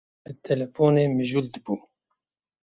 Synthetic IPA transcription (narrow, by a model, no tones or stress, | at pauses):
bɨt̪ʰɛlɛfoːneːmɨʒuːld̪ɨbuː